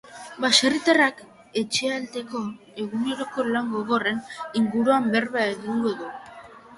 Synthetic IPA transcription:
baserit̪arak | e̞t͡ʃe̞alt̪e̞ko̞ | e̞ɣune̞ɾo̞ko̞laŋɡo̞ɣo̞re̞niŋɡuɾuambe̞rβaaeðinuoðu

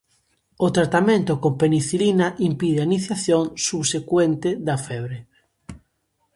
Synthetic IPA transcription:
ot̪ɾat̪amẽnt̪okompeniθilinaʔimpiðeainiθjaθjõŋsuβsekwent̪eðafɛβ̞ɾe

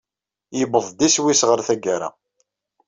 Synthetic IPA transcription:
jəbəðˤd̪iswisʁəɾθæɡaɾa̰

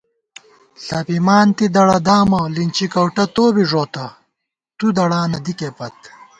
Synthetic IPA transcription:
ɬɐpimaːnt̪id̪ɐɽɐd̪aːmɐlint͡ɕikɐwʈɐt̪oːbiʐoːt̪ɐ | t̪ud̪ɐɽaːnɐd̪ikeːpɐt̪̚

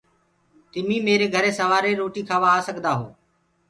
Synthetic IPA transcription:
t̪ɪmiːmeːɾeːɡʱəɾeːsəʋaːɾeːɾoːʈiːkʰaːʋaːsəɡd̪aːɦoː

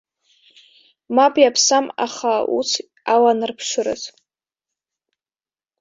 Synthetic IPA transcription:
mapʼjapʰsama̰χaṵt͡sʰ | awanɨrpʰʂʷʊɾɨ̰z

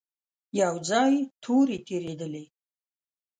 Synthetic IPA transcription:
jawd͡zajitʰuːɾitʰiɾedɨlej

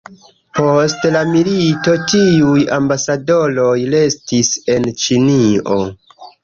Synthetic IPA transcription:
po̞stlamilito̞tiujambasado̞lojle̞stise̞nt͡ʃinio̞̰

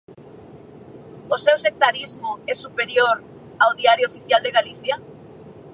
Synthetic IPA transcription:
osewsek̚t̪aɾizmʊɛsupeɾjoɾ | awðiaɾjoofiθjald̪eɣaliθja

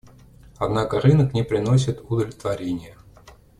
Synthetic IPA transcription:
ɐd̪nakəɾɨnəknʲɪpɾʲɪnos̬ʲɪt̪ʊd̪əlʲɪt̪vɐɾʲenʲɪjə

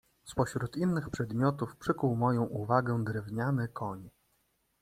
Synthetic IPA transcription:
spɔɕɾut̪inːɘxpʂɛd̪mʲɔt̪ufpʂɘkuwmɔjɔ̃w̃ʔuvaɡɛd̪ɾɛvɲanɘkʰɔɲ

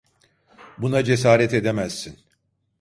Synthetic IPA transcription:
bunad͡ʒes̬aːɾɛt̪e̞d̪emæz̥ːin

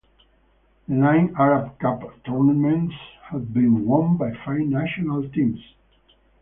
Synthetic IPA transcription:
nãj̃naɹab̚kapt̪uɹnamɛ̃ntshæv̚bĩnwɔ̃nbajfaɪvnæʃɔnalt̪ĩms

